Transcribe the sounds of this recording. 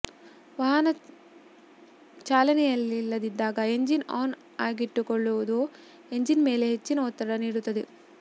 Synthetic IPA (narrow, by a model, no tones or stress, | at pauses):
ʋɐɦɐnɐ | t͡ʃaːlɐnijɐlːilːɐd̪id̪aːɡaeɲd͡ʒina̰ːn | aːɡiʈːukoɭːuʋd̪u | eɲd͡ʒinmeːleɦet͡ʃːinɐɔt̪ːɐɾɐɽɐniːɽut̪ɐd̪i